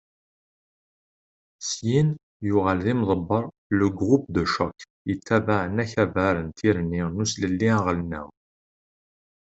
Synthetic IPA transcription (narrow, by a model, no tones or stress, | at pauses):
sjin | jʊʁælðimðˤəbːəɾˤ | ləɡʁup̚d̪əʃɔk | jət̪ːæbaʕənæçævæɾənt̪ʰiɾninusləlːiæʁəlnæ̰w